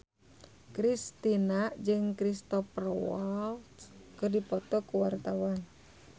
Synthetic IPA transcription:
kɾist̪inad͡ʒɨŋkɾist̪ɔfrɔwalt̪kɨrdipɔt̪ɔkuwart̪awan

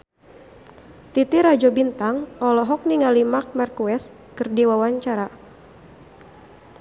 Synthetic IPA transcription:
t̪it̪iɾad͡ʒɔbint̪aŋɔlɔɦɔk̚niŋalimark̚markuɛs | kɨrdiwawaɲt͡ʃaɾa

